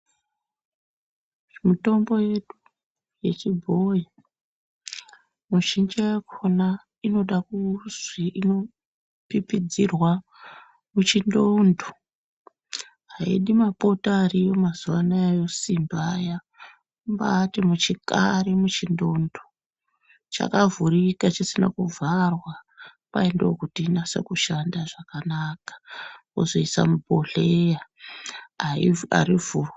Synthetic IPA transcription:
ʐmito̞mbo̞je̞ɗu | je̞t͡ʃibʱoji | muʃind͡ʒajakʰona | ino̞ɗakuzwiʔino | pipid͡zirwa | mut͡ʃindondʱo̥ | ɦaḭɗimapotarijomazuʋanaajo̞simbaja | mbatimut͡ʃikaɾemut͡ʃindondʱo̥ | t͡ʃa̰kavuɾikat͡ʃisina̰kuvarwapaendeokutiːnasa̰kuʃandaʐakanakḁkozoisa̰muboɮeja | aa̰ɾivuːro

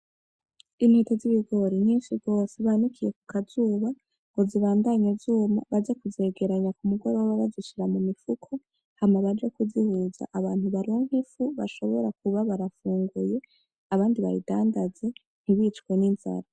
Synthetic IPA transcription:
in̥hetoziβiɡo̞ɾiɲ̥iːnʃiɡo̞ːseβanikʰije̞ku̥kazuːβa | ŋɡoziβaːndaɲezuːmaβad͡ʒekuze̞ɡe̞ɾaɲakumuɡo̞ɾowoβaβaziʃiɾamumifukʰo | hamaβad͡ʒekuzihuza̰ʔaβaːn̥huβaɾioŋ̥hefuβa̰ʃo̞βoɾakuβaβaɾafuːŋɡuje̞ | aβaːndiβa̰jḭdaːndaze̞ | n̥iβiːt͡ʃkweninza̰ɾa

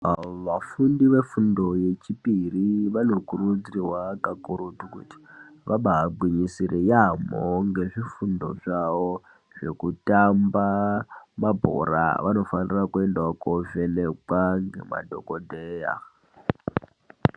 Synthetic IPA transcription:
ʋafundiʋe̞fundo̞je̞t͡ʃipiriʋano̞kurud͡ziriwakakuɾutukṵti̥ʋaɓaaɡ͡bwiɲisiɾejamoŋɡe̞ʐifundo̞̰ʐaʋo | ʐ̥e̞kutambamabʱo̰ɾa̰ʋa̰no̞fanirakue̞ndakovenekwaŋɡe̞̰ma̰dʱokodʱeːja̰

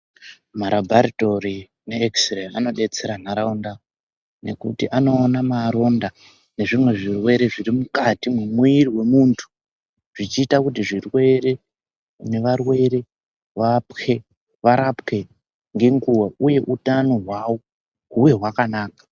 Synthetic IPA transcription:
maɾabʱaɾito̞ri | ne̞ːksreano̞ɗe̞t͡se̞ɾanaɾaunda | ne̞kṵtiʔano̞ːnamaɾo̞nda | ne̞ʐimwe̞ʐirwe̞ɾe̞ʐirimukatimwemwiiriwe̞muntʰu̥ | ʐ̥it͡ʃiːtakutiʐirwe̞re̞ | ne̞ʋarwe̞ɾe̞ | ʋapke̞ | ʋaɾapke̞ | ŋɡeŋɡuwauje̞ʔutano̞ɦwawo̞ | ɦuje̞ɦwakanaːkḁ

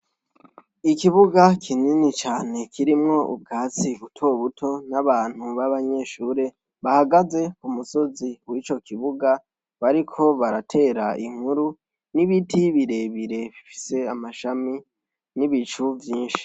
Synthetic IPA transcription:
ikiβuɡakʰininit͡ʃaːne̞kʰiɾimŋo̞ʔṵb̚ɡaːt͡siβutʰo̞βutʰo̞naβaːn̥huβaβaɲe̞ʃuːɾe̞ | βahaɡaze̞kumuso̞ziwit͡ʃo̞kiβuɡa | βaɾikʰo̞βaɾatʰe̞ːɾaiŋ̥huɾu | niβitiβiɾe̞βiɾe̞βifi̥se̞amaʃami | niβit͡ʃuvjiːnʃi̥

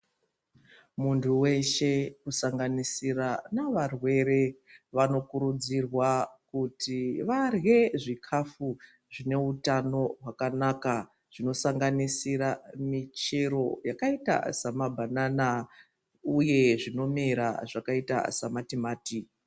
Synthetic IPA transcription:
muntʰuwe̞ʃe̞kusaŋɡanisiranaʋarwe̞ɾe̞ʋano̞kuɾud͡zirwakutiʋarɣe̞ʐikʰafu | ʐine̞utano̞ɦwakanaka | ʐ̥ino̞saŋɡanisiɾamit͡ʃe̞ɾo̞jakaita̰samabʱanana | uje̞ʐino̞miɾa̰ʐakaita̰samatimaːti

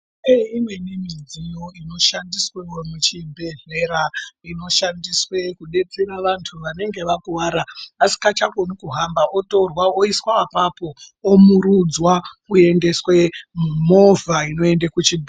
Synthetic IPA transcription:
eimwe̞nemid͡zijo̞ino̞ʃandisweomut͡ʃibʱe̞ɮe̞ɾaino̞ʃandiswe̞kuɗe̞t͡se̞ɾaʋantʰuʋane̞ŋɡe̞ʋakuʋaːɾaːsi̥kat͡ʃakonikuɦambaʔoto̞rwaoiswaːpapo̞omuɾud͡zwakue̞nde̞swe̞mo̞vʱaino̞e̞ndakut͡ʃibʱu

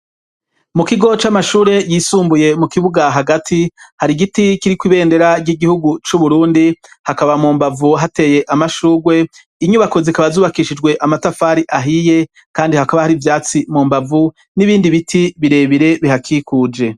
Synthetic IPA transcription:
mukiɡo̞t͡ʃamaʃuːɾe̞jisuːmbuje̞mukiβuɡaɦaɡatʰihaɾiɡitikiɾikwiβe̞ːnde̞ɾaɾɟiɡihuɡut͡ʃuβuɾuːndihakaβamuːmbavuɦate̞je̞ʔamaʃuːɡwe̞ | iɲuβako̞zikaβazuːβakiʃid͡ʒɡwe̞ʔamatafaɾiʔaɦije̞ | kaːndihakaβahaɾivjaːt͡simuːmbavu | niβiːndiβitʰiβiɾe̞βiɾe̞βiɦakʰikuːd͡ʒe̞

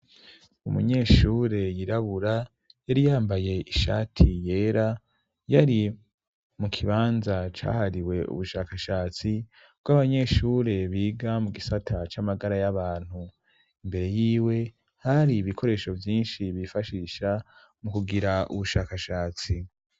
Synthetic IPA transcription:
umṵɲe̞ːʃuːɾe̞jiɾaβuɾa | jaɾijaːmbaje̞ʔiʃa̰ːtʰije̞ːɾa | jaɾi | mukʰiβaːnzat͡ʃa̰ːhaɾiwe̞ṵβuʃaːkaʃaːt͡si | b̥ɡaβaɲe̞ʃuːɾe̞βiːɡamuɡisatʰat͡ʃamaɡaɾajaβaːn̥hu | imbe̞ɾe̞jiːwe̞ | haɾiːβikʰo̞ɾe̞ːʃo̞vjiːnʃiβifaʃiːʃa | mukuɡiɾaṵβuʃaːkaʃaːt͡si

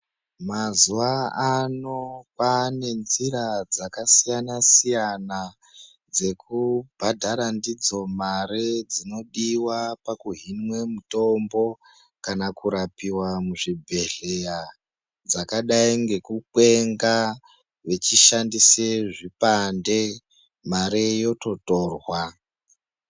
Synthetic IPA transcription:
mazuʋaano̞pane̞nziɾad͡zakasijanasijana | d͡ze̞kubʱadʱaɾandid͡zo̞maɾed͡zino̞ɗiwapakuɦinwe̞muto̞mbo̞ | kanakuɾapiwamuʐibʱe̞ɮe̞ja | d͡zakaɗaiŋɡe̞kuk͡pwe̞ŋɡa | ʋe̞t͡ʃiʃandiseʐipande | maɾejo̞to̞to̞ːrwa

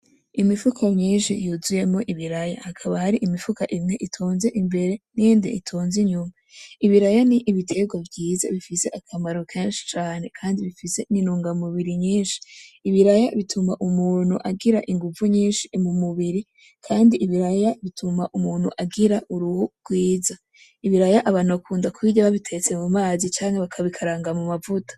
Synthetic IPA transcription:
imifukʰamɲiːnʃḭjuzuje̞mŋo̞ʔiβiɾaja̰hakʰaβahaɾiʔimifukaʔimŋe̞ʔitʰoːnze̞ʔimbe̞ɾe̞nindḛʔḭtʰo̞ːnziɲumaiβiɾajaniʔːβitʰe̞ɡwavɟiːza̰βifise̞ʔakʰamaɾo̞kʰeːnʃi̥t͡ʃaːne̞kʰaːndiβifise̞ninuːŋɡamuβiɾiɲiːnʃi̥ːβiɾajaβitʰumaʔumuːn̥huʔaɡiɾaʔiŋɡuvuɲiːnʃimumuβiɾi | kʰaːndiʔːβiɾajaβitʰumaʔumuːn̥hṵʔaɡiɾaʔuɾuhuɡ̥wiːza | iβiɾajaʔaβaːnuβakʰuːndakwiːɟaβaβitʰe̞t͡semumaːzit͡ʃaːŋheβakʰaβikʰaɾaːŋɡamumavutʰḁ

